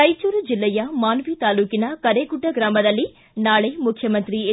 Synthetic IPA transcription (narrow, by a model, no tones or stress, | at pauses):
ɐjt͡ʃuːɾud͡ʒilːɛjɐmaːnʋit̪aːluːkinɐkɐɾeːɡuʈːɐɡɾaːmɐd̪ɐlːi | naːɭemukʰjɐmɐnt̪ɾie